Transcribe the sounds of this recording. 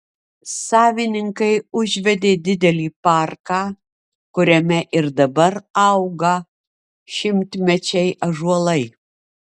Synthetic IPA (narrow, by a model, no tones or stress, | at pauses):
sɑːʋʲɪnʲɪŋkɐɪʊʒʲʋʲɛd̪ʲeːd̪ʲɪd̪ʲɛlʲiːpɑˑɾkɑː | kʊɾʲɛmʲɛʔɪɾd̪ɐbɐɾɐʊɡɐ | ʃʲɪmʲt̪ʲmʲɛt͡ʃʲɛɪʔɐʒuɔlˠɐɪ